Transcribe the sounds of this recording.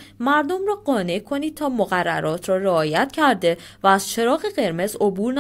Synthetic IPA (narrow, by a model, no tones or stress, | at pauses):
mæɾd̪o̞mrɒːɢɒːne̞ʔkʰo̞niːd̪̚t̪ʰɒːmoɣærːæ̰ɾɒːt̪ʰɾɒːɾeɒːjæt̪cʰæɾd̪e̞ | væːz̥t͡ʃʰe̞ɾɒːɣeɢe̞ɾme̞zo̞buːɾn